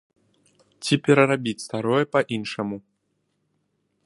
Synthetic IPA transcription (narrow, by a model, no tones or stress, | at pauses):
t͡sʲipʲɛɾɐɾabʲit͡sʲst̪aɾɔjɛpɐʔinʂɐmu